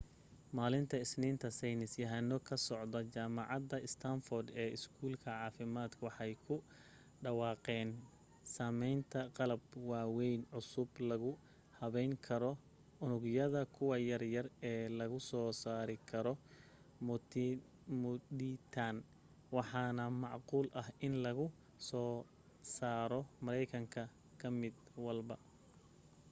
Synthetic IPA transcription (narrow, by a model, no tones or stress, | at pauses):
maːlɪnt̪ʰɐɪsniːnt̪ʰɐsɛjnɪsjɐɦɐnːɔkʰɐsɔʕd̪ɐt͡ʃaːmɑʕɑd̪ɐɪst̪ʰaɱfɔrd̪ɛːɪskʰuːlkʰɐʕɑːfɪmaːd̪kʰʊwɑħɑjkʰʊ | ɖɑwɑːqɛːn | saːmɛjnt̪ʰɐqɑlɐbwɑːwɛjnʕʊsʊblɐɣʊ | hɐβɛjŋkʰɐɾɔ | ʊnʊɡjɐðɐkʰʊwɑjɐrjɐrɛːlɐɣʊsɔːsaːɾɪkʰɐɾɔ | mt̪ | mʊd̪it̪ʰan | wɑħɑːnɐmɑʕquːlʔɐhɪnlɐɣʊ | sɔː | saːɾɔmɐɾɛjkʰɐŋkʰɐ | kʰɐmɪd̪wɐlbɐ